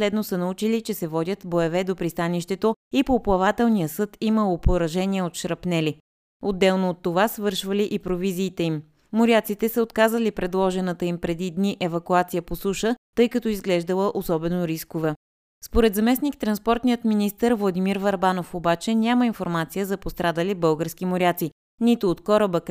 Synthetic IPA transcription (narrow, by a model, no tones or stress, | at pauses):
slɛd̪nosənɐut͡ʃilit͡ʃɛsɛvɔd̪ʲət̪boɛvɛd̪opɾist̪aniʃt̪ɛt̪oipoːplˠɐvat̪ɛlˠnijəsɤt̪iməlˠopoɾɐʒɛniɛot̪ʃɾɐpnɛli | od̪ːɛlˠnoːt̪ːovasvɤɾʃvəliʔipɾoviziːt̪ɛimː | oɾʲiat̪sit̪ɛsəot̪kazəlipɾɛd̪lˠɔʒɛnət̪əimpɾɛd̪id̪niʔɛvɐkuat̪sijəposuʃət̪ɤjkɐt̪ɔizɡlɛʒd̪əlˠəʔosɔbɛnoɾiskovɛ | spoɾɛd̪zɐmɛsnikt̪ɾɐnspɔɾt̪nijət̪minist̪əɾvlˠɐd̪imiɾvɐɾbanofobat͡ʃɛnʲaməinfoɾmat̪sijəzɐpost̪ɾad̪əlibɤlˠɡəɾskimoɾʲat̪si | nit̪ʊːt̪kɔɾəbək